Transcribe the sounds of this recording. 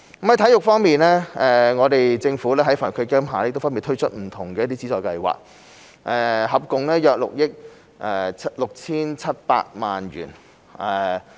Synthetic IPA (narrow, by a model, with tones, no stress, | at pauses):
kɐ˦˥mhɐ˧˥jt̪ʰɐ˨˥jʊ˨k̚fɔː˥ŋmiː˨nlɛː˥ɛ˨ŋɔː˨˧t̪e˨jt͡sɪ˧ŋfuː˨˥lɛː˥ɦɐ˥jfaː˨˩˨kʰɵ˨˧kɛː˥mɦaː˨˩lɛː˥˩˨kt̪fɐ˥nmiː˨˩t̪ʰɥt͡ʃʰɵ˥t̚m̩˨˩t̪ʰʊ˨˩ŋkɛː˧jɐ˥t̪i˥t͡siː˨˥t͡sɔː˨jkɐ˧jwa̰ː˨k̚ | ʔɛː˨˩hɐ˨p̚kʊ˨ŋlɛː˥jœː˧k̚lʊ̰˨k̚jɪ˥k̚ | ʔɛ˨˧lʊ˨k̚t͡sʰiː˥nt͡sʰɐ˥t̚pa̰ː˧t̚maː˨nɥy̰ː˨˩n | ʔɛ˨